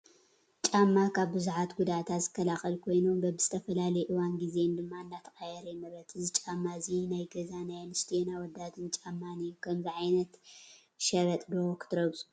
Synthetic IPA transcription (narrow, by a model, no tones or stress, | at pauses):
t͡ʃʼamːakʰaβbɨzuħat̪ɡud̪at̪ʰazɨkːɐlaxɐlkʰo̞jnombɐbɨz̥ɨ̥t̪ʰɐfɐlalɐjɛʔɨwanɡize̞nd̪ɨmːaɨnːat̪ʰɐxʼajɛɾɐjɛmɐɾɐt̪ɨzit͡ʃʼamːazinajɡɐzanajanɨst̪ʰjenawɔd̪ːat̪ʰɨnt͡ʃʼamːanijukʰɐmziʕajnɐt̪ | ʃɐɾɐt̪ʼdɐwokʰɨ̥t̪ʰɨɾɐβsʼu̥